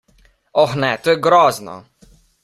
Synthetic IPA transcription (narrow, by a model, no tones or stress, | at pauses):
ɔxnɛt̪oːjɛɡɾɔːznɔ̰